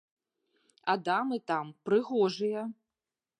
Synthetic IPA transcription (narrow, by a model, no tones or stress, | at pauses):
ad̪amɨt̪ampɾɨɣɔʐɨjɐ